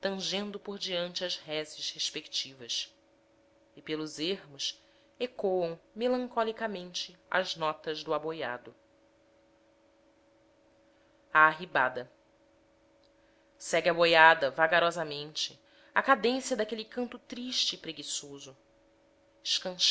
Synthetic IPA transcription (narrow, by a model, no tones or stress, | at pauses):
t̪ɐ̃ʒẽnd̪ʊpoɾd͡ʒiɐ̃nt͡ʃɪɐʃhɛzɪʃheʃpekt͡ʃivɐs | ɪpelʊzehmʊs | ekoɐ̃w̃melɐ̃ŋkɔlikɐmẽnt͡ʃɪɐ̰ʒnɔt̪ɐzd̪ʊaboja̰d̪ʊ | aːɦibad̪ɐ | sɛɡʲɪabojad̪ɐvaɡaɾɔzɐmẽnt͡ʃɪ | akad̪ẽsjɐd̪akelikɐ̃nt̪ʊt̪ɾiʃt͡ʃɪːpɾeɡisozʊ | ɪʃkɐ̃ʃ